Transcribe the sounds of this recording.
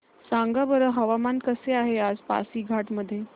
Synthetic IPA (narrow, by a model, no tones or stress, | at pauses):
sãŋɡabəɾəɦəʋamankəseaɦead͡zpa̰siːɡʱaʈməd̪ʱːje